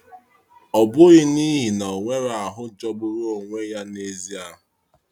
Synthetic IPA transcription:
ɔ˨bʊ˦ɣɪ˦ni˦ɦi˨nɔ˨ŋʷe˦ɾa˨ɦʊ˦d͡ʒɔ˦ɡ͡bʊ˦ɾo˨ŋʷe˦ja˦ne˦zi˦a˨ɦʊ˨

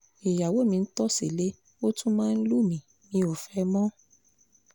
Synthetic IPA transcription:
e˨ja˨wo˨˦mĩ˧n̩˦tɔ˦se˨le˦ | o˦tũ˦mãː˦˧n̩˦lu˦˨mĩ˨ | nĩ˨˦o˨fɛ˧˦mɔ̃˦

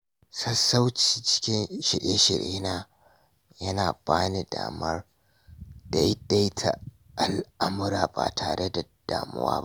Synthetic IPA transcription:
sɐ˦sa˦wt͡ʃiː˨t͡ʃɪ̥˦kʲɪ˦nʃɪ˨ɽeː˦ʃɪ˨ɽʔeː˦naː˦ | jɐ˦naː˨baː˦ni˨da̰ː˨mɐ˦r | d̥a˦jda˦jtʰa̰˨ | ʔa˨lʔa˦mʊ˦ɾaː˨ba̰ː˨tʰaː˨ɽʔe˦da˨d̥aː˨mʊ̰˦wa̰ː˦

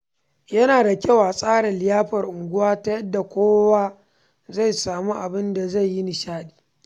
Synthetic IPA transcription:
jɐ˦naː˨da˨kʲɐ˦˨waː˨sʼaː˦ɽɐ˨lɪ˨jaː˦ɸɐ˨rʔʊ˨ŋɡʷʊ˦waː˦ta˦jɐ˦dːa˨kʷoː˦waː˦ | za˦˨jsaː˨mu˦ʔa˨bɪ˦nda˨za˦˨jːi˦nɪ˨ʃaː˦ɗi̥ː˨

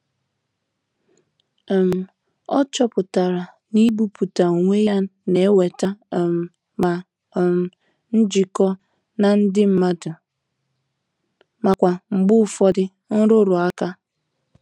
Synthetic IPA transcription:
m̩˨ | ɔ˦t͡ʃɔ˦pʊ˨ta˨ɾa˨ | ni˦bu˦pu˨ta˨ŋʷe˦ja˦ne˨˦we˨ta˦˨m̩˨ | ma˨ | m̩˨ | n̩˦d͡ʒi˨kɔ˦ | na˦n̩˦dɪ˦m̩˨ma˦dʊ˨ | ma˨kʷa˨ŋ͡m̩˨ɡ͡bʊ˦˨fɔ˦dɪ˦ | n̩˦ɾʊ˦ɾʊ˨a˦ka˦

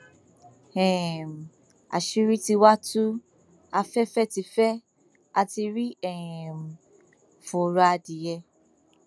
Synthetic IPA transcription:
ɛ̃˨m˨ | a̰˨ʃi˦ɾi˦ti˧wa˦tu˦ | a˧fɛ˦fɛ˦ti˧fɛ˦ | a˧ti˧ɾi˦ɛ˨m˨ | fu˨ɾa˧di˨jɛ˧

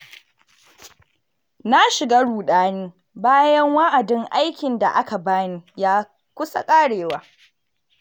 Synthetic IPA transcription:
na˦ʃɪ˨ɡaː˦ɽuː˨ɗaː˦niː˦ | baː˦jɐ˦ŋwa˦ʔa˨dɪ˦ŋʔa˦jkʲɪ˨nda̰˨ʔa˦ka˨baː˦niː˦jaː˦ | kʷʊ˦sa̰˦kʼaː˦ɽeː˨waː˦

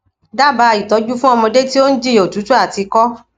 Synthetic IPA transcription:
da˦˨ba˨˧˦a˧˨ji˨tɔ˨˦d͡ʒu˦fũ˦ɔ˧mɔ̃˧de˦ti˦o˦n̩˦d͡ʒi˦˨o˨tu˨˦tu˦a˦˨ti˧kɔ˦

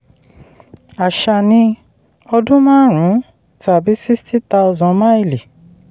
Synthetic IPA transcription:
a˨ʃa˨nĩ˧ | ɔ˧dũ˦mãː˦ɾ̃ũ˨˦ | tʰa˨bi˨˦si˦sti˦t̪a˧zɔ̃˧ma˦i˦˨li˨

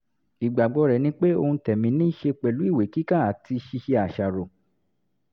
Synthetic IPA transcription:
i˨ɡ͡ba˨ɡ͡bɔ˨˦ɾɛ˨nĩ˦k͡pe˦o̰˧hũ˧tɛ˨mĩ˨˧˦nĩː˦ʃe˧k͡pɛ˨lu˨˦i˦˨we˨˦ki˦kã˦˨a˨ti˧ʃi˧ʃe˧a˨ʃa˨ɾo˨

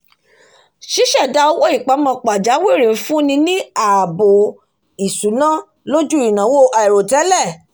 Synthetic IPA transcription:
ʃi˦ʃɛ˦˨da˧˦o˧˦wo˦i˦˨k͡pa˨˦mɔ̃˧k͡pa˨d͡ʒa˨˦we˦˨ɾĩ˨n̩˦fũ˦nĩ˧˦nĩ˦a˨bo˨ | i˨su˨˦nã˦ | lo˦d͡ʒu˦i˨nã˨˦wo˦˨ʔa˨ɛ˨ɾo˨tɛ˨˦lɛ˦˨

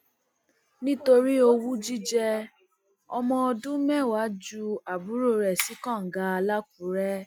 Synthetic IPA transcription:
nĩ˦to˧ɾi˦o˧wu˦d͡ʒi˦d͡ʒɛ˧ | ɔ˧mɔ̃˧ɔ˧dũ˦mɛ̃˦˨wa˨˦d͡ʒu˧a˨bu˨˦ɾo˦˨ɾɛ˨si˨˦kã˦˨ŋ̩˨ɡa˧˦a˧la˦k̚u˨˦ɾɛ˦

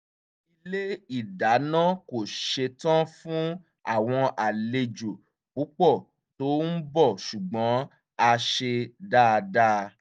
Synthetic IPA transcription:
i˧le˦i˦˨da˨˦nã˦ko˨ʃe˧tã˦fũ˦ | a˦˨w̃ɔ̃˧ʔa˨le˧d͡ʒo˨ | k͡pu˨˦k͡pɔ˦˨ | to˨˦n̩˦bɔ˦˨ʃu˨ɡ͡bɔ̃˨˦ | a˧ʃe˧da˦˨˧da˦˧

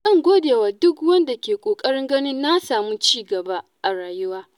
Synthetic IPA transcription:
ʔɪ˦ŋɡʷoː˦deː˨waː˨dʊ˦kwɐ˦nda˨kʲeː˨kʷʼoː˨kʼɐ˦ɽɪ˦ŋɡɐ˦nɪ˦nːa˦saː˨mu˦t͡ʃiː˦˨ɡɐ˨ba˦ʔa˨ɽaː˨jʊ˦waː˦

